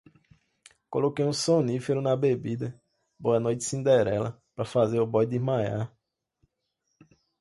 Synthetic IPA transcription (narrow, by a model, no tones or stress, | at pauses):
kolokejũsõnifeɾʊnɐbebid̪ɐ | boɐnojt͡ʃɪ̥sĩnd̪ɛɾɛlɐ̰ | pɾɐfazeɾʊbɔjd̪izmaja̰